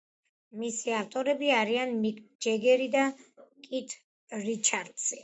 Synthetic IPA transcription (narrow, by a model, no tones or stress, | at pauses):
misiaft̪ʼɔɾɛbiaɾianmikʼd͡ʒɛɡɛɾid̪akʼit̪ʰ | ɾit͡ʃʰaɾd̪si